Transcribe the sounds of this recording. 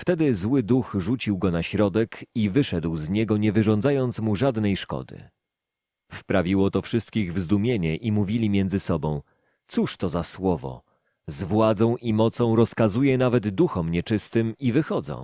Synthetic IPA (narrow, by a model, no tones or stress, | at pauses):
ft̪ɛd̪ɘzwɘd̪uxʐut͡ɕiwɡɔnaɕɾɔd̪ɛkivɘʂɛd̪wzɲɛɡɔɲɛvɘʐɔ̃ndzajɔnt̪smuʐad̪nɛjʂkɔ̰d̪ɘ̰ | spɾavʲiwɔt̪ɔfʂɘst̪̚kʲiɣvzd̪umʲjeɲɛʔimuvʲilʲimʲjɛndzɘsɔbɔ̃w̃ | t̪suʂt̪ɔzaswɔvɔ̰ | zvwad̪zɔ̃w̃ʔimɔt̪sɔ̃w̃ɾɔskazujɛnavɛd̪d̪uxɔmɲɛt͡ʂɘst̪ɘmivɘxɔd̪zɔ̰̃w̃